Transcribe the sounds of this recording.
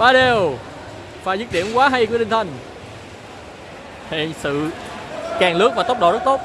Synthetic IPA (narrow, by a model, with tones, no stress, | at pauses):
ɓaː˨˦ɗe˧˩w | faː˧˩jzɨ˦˥t̚ɗḭ˧˩ənkwaː˨˦ɦa˧jku˧˩ət̪ï˧ŋ̟t̪ʰə˧˩jŋ̟ | hḛ˧˨sɨ̰˧˨ | kaː˨˩ŋlɨ˨˦˥k̚vaː˨˩˦wk͡p̚ɔ̰˧˩zə˦˥t̚t̪o˦˥t̚